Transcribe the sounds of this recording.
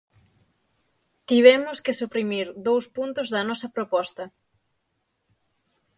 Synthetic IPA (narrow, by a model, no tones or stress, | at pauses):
t̪iβɛmʊskɪsupɾimiɾd̪owspunt̪ʊzðɐnɔsɐpɾopɔst̪ɐ